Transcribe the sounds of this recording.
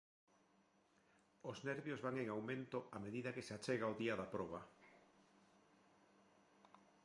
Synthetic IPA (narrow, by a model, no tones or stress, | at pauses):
ʊznɛɾβjozβaŋeŋawmẽnt̪ʊameðiðɐkɪseat͡ʃeɣaoðiaðapɾɔβɐ